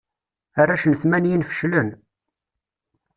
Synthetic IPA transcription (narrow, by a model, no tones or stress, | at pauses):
arːaʃənθmænjinfə̥ʃlən